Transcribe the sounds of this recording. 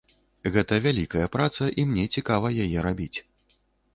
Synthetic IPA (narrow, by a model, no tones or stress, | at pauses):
ɣɛt̪ɐvʲalʲikɐjɐpɾat̪sɐʔimnʲɛt͡sʲikavɐjajɛɾabʲit͡sʲ